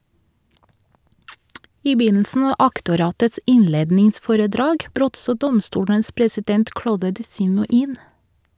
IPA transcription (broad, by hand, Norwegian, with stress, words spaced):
ˈiː ˈbyːnl̩sn̩ ˈɑː ˈʔɑktʊˌɾɑːtəts ˈɪnˌleːdnɪŋˌsfoːɾəˌdɾɑːɡ ˈbɾøːt ˈsoː ˈdɔmˌstuːɽəns pɹɛsɪˈdɛnt ˈkɽoːdə dɪˈsiːnʊ ˈiːn